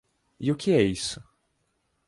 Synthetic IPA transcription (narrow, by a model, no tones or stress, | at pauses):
iʊkɪɛisʊ